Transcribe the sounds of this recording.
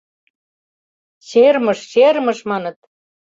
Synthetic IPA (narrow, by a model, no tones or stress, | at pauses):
ɕermə̆ʃɕermə̆ʃmɑnɤ̆t̪̚